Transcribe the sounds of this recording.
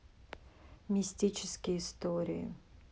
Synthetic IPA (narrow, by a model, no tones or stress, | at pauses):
mʲɪsʲtʲit͡ʃɪskʲɪjɪst̪oɾʲɪ̰ɪ̰